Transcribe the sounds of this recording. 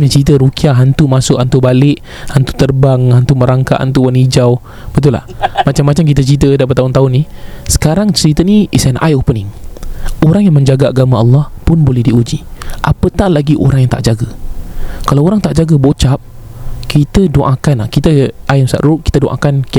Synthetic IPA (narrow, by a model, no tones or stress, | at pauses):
ɲat͡ʃɾit̪̬əɾukiaʔɦant̪umasʊʔhant̪ubalɪʔ | hant̪u̥t̪ərbaŋhant̪uməɾaŋka̰ʔha̰nt̪uwanid͡ʒaw | b̥ət̪̬ula̰hmat͡ʃamːat͡ʃamk̬it̪ət͡ʃɾit̪̬ədap̬ət̪aʊnt̪aʊnːisə̥kaɾaŋt͡ʃəɾit̪əniḭsɛnʔa̰jopəniŋ | oɾaŋjaŋmə̃ɲd͡ʒaɡaaɡamaʔɑlːɑhpʊnbolɛhdiud͡ʒiʔapət̪aʔlaɡiʔo̰ɾaŋjaŋt̪a̰ʔd͡ʒaɡə | kalawoɾaŋt̪aʔd͡ʒaɡəbot͡ʃap̚kʰit̪ədoʔakanlahkit̪əajmsa̰ʔɾuʔki̥t̪ədoʔa̰kank